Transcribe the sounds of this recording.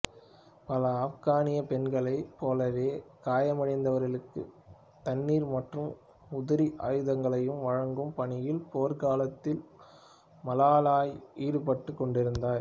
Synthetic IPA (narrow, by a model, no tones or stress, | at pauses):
pɐlɐaːfɣaːnɪjɐpɛnɡɐɭɐɪpoːlɐʋeːkaːjɐmɐɽɐɪnd̪ɐʋɐɾɣɐɭɯkːɯ̰ | t̪ɐnːiːɾmɐʈrɯm | ʊðɪɾiʔaːjɯðɐŋɡɐɭɐjɯmʋɐɻɐŋɡɯmpɐɳɪjɪlpoːɾkaːlɐt̪ːɪl | mɐlaːlaːjiːɽɯpɐʈːɯkːɔɳɖɪɾɯnd̪aːɾ